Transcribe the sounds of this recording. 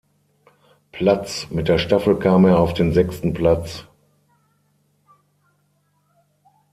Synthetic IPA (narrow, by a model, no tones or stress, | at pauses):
pʰlat͡smɪt̚d̥eːɐʃtafl̩kʰaːmeːɐaʊfd̥eːnzɛkstn̩pl̥at͡s